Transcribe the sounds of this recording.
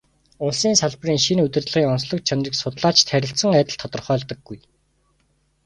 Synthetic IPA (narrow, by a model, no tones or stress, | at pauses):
ʊɮsiːnsaɮpriːŋʃinɵt̪ɘ̆rt̪ɮə̆ʁiːŋɔnsɮɞ̆k̚t͡ɕʰanriːksʊt̪ɮaːt͡ɕt̪ʰæɾʲɪ̆ɬt̪sə̆ŋæːt̪ə̆ɮt̪ʰɔt̪ɞ̆rχœːɮt̪ɞ̆ɡːuj